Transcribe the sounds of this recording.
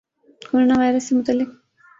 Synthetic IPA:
koɾonawajɾəsemʊt̪alːɪq

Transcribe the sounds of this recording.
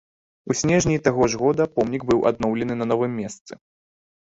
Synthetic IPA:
usʲnʲɛʐnʲijt̪aɣɔʐɣɔd̪ɐpɔmnʲiɡbɨwʔa̰d̪̚nɔwlʲɛnɨnɐnɔvɨmʲːɛst̪sɨ

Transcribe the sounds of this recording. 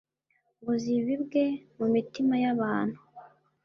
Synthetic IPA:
βuziβibɡe̞mumitimajaβaːn̥hu

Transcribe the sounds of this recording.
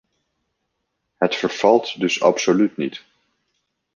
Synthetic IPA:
hətfəɹv̥ɑlˠtdɵsɑ̰psolytnit

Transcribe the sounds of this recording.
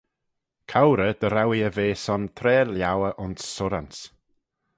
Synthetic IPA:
kʰawɾəd̪̥əɾawiəveːsɔnt̪ʰɾɛːljawəʔʊnsːʊɾans

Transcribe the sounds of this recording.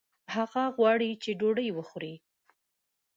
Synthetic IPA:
haɣaɣwɑɽit͡ʃeɖoɖəjwəxɾi

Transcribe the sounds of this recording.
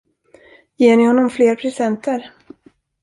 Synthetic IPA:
jeːɳɪhɔnːɔmfleːɾpʰɾɛsɛnt̪əɾ

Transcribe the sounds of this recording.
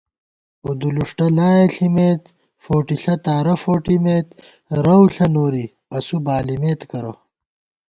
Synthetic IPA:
ud̪uluʂʈɐlaːjeɬimeːt̪ | foːʈiɬɐt̪aːɾɐfoːʈimeːt̪ | ɾɐwɬɐnoːɾi | ɐsubaːlimeːt̪kɐɾɐ̰

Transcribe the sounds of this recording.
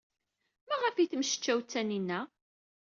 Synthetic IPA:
mæʁəfiθmʃə̥t͡ʃːæwt͡sːæninːæ

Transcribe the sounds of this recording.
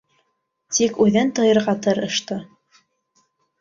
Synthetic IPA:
t̪ikʉðɘnt̪ɤ̆jɤ̆ɾʁɑt̪ɤɾɤ̆ʃt̪ɤ

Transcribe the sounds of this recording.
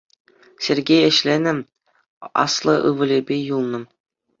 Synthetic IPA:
sʲerʲɡʲejɘ̆ɕlʲenʲɘ̆ | ɑ̰slˠɤ̆ʔɯ̰ʋɤ̆lʲebʲejulˠnɤ̆

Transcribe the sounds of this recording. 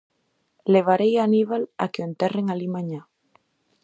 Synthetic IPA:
leβ̞aɾejaniβala̰keent̪ɛreŋalimãɲa

